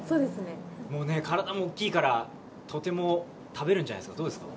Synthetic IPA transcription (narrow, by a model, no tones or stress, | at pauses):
soːd̪esɨnemo̞ːne̞kaɾad̪amo̞ːkʲːiːkaɾa | t̪ʰo̞t̪e̞mo̞ | t̪ʰabe̞ɾɯ̃ɲ̟d͡ʑana̰jesɨ̥kad̪o̞ːd̪e̞sɨ̥ka̰